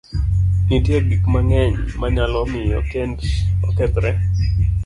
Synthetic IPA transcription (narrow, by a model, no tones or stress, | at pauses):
nitjeɡikmaŋɛɲmaɲalɔmɪɔ̰kendɔkɛpɾɛ